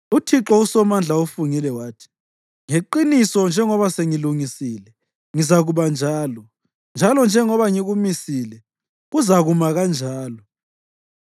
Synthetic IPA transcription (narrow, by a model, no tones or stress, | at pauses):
utʰiǁɔusɔmand͡ɮʱaufuŋilɛwaːtʰi̥ | ŋeǃinisɔnd͡ʒʱɛŋɔβaseŋiluŋisilɛ | ŋizaɣuβand͡ʒʱaːlɔ | nd͡ʒʱalɔnd͡ʒʱɛŋɔβaŋiɣumisilɛ | ɣuzaɣumaɣand͡ʒʱaːlɔ